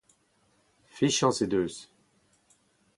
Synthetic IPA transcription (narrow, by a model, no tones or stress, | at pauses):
fiʃɑ̃sed̪øs